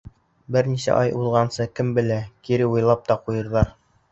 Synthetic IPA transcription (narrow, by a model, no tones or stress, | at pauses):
bɘɾnisæ̰ʔɑjulˠʁɑnsɤkɘmbɘ̆lækiɾɘujlˠɑp̚t̪ɑqujɤ̆ɾðˠɑɾ